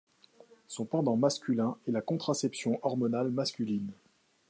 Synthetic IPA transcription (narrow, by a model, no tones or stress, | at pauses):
sɔ̃pɑ̃d̪ɑ̃maskʲylɛ̃ɛlakɔ̃t̪χasɛpsjɔ̃ʔɔʁmɔnalmaskʲylin